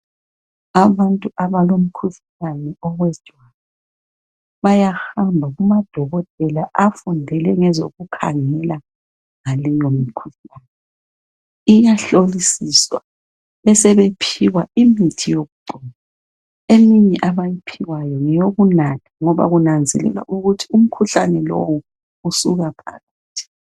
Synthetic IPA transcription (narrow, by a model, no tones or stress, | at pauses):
aβantʼuʔaβalom̩kʰuɬ | anɛɔwɛ̥ʒ̥ʱwala | βajaxhambʱaɣumad̥ʱɔɣɔtʼɛlaʔafundʱɛlɛŋɛzo̰ɣukʰa̰ŋɛla | ŋalɛjomikʰuɬanɛ | ijaɬolisiswa | ɛsɛβepʰiwaimitʰijoɣuǃɔna | emiɲɛʔaβajipʰiwajɔŋɛjoɣunatʰaŋɔβa̰ɣunand͡zʱɛ̰lɛ̰lwa̰ʔuɣutʰium̩kʰuɬanɛlo̰wu | usuɣapʰa̰ɣaːtʰi̥